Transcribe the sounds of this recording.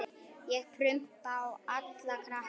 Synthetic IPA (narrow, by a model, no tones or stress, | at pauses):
jɛɣpʰɾʏm̥t̪awat̪lakʰɾa